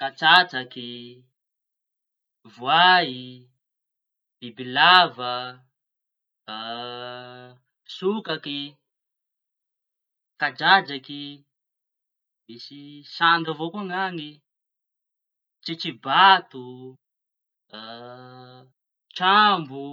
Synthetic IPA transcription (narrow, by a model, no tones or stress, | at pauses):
kat͡sat͡saki | vwaɦi | b̥ibilavə | sukaki | kad͡ʒad͡ʒaki | misisand̪avokuaŋaŋi | t͡ʃit͡ʃibat̪u | t͡ʃambu